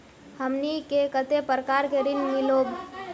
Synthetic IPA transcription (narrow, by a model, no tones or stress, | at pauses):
həmnikekət̪epɾəkaɾkeɾinmilob